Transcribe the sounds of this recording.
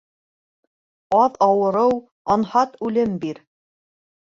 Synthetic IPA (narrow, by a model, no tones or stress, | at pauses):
ɑðɑwɤ̆ɾɤw | ɑnhɑt̪ʉlɘmbiɾ